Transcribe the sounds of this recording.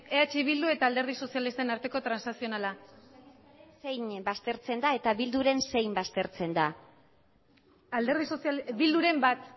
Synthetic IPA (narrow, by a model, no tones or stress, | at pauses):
eat͡ʃiβild̪ue̞t̪aːld̪e̞ɾð̞iso̞sialist̪e̞naɾt̪e̞ko̞t̪ɾansnasio̞nala | se̞jɲbast̪e̞ɾt͡se̞nd̪ae̞t̪aβild̪uɾe̞nse̞jmbast̪e̞ɾt͡se̞nd̪a | ald̪eɾð̞isosβild̪uɾe̞mbat̪